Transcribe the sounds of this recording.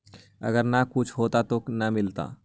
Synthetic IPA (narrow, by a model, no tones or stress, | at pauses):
ɐ̰ɡəɾnakʊt͡ʃʰɦoːt̪at̪oknamɪlt̪a̰ː